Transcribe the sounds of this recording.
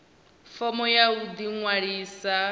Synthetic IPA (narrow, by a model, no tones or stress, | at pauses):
fɔmɔjaud̪iŋwaɺiːsa